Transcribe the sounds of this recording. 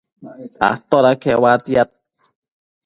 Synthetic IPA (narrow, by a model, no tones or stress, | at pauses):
a̰ht̪oɾakʰewat̪iat̪̚